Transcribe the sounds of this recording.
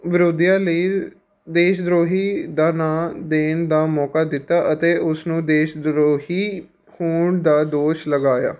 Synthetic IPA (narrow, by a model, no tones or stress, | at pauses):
ʋɪɾod̪jãːləiː | d̪eːʃd̪ɾoːɦiːd̪aːnãːd̪eːnd̪aːmɔːkaːd̪ɪt̪ːaːʔət̪eːʊsnũːd̪eːʃd̪ɾoːɦiː | huːɳd̪aːd̪oːʃləɡaːja̰ː